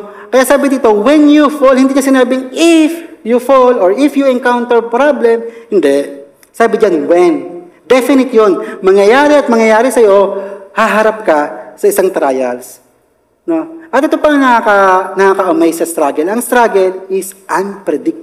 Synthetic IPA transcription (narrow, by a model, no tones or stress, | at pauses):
kɐjaːʔsaːbɪd̪iːt̪owɛnjufolhɪnd̪iːɲɐsɪnaːbɪŋɪfjufolɔɹɪfjʊɛŋkawnt̪ɛɹpɾablɛmhɪnd̪ɛ | saːbɪd͡ʒanwɛnd̪ɛfɪnɪt̪jonmɐŋjɐjaːɾɛɐt̪̚mɐŋjɐjaːɾɪsɐjo̞haɦɐɾap̚kɐsɐʔɪsaŋt̪ɾaːjɐls | noʔɐt̪ɪt̪opɐŋnɐakanɐakɐʔʊmɛjsɐst̪ɾaːɡɛlɐŋst̪ɾaɡɛlɪsʔɐnpɾɛd̪ɪk̚t̪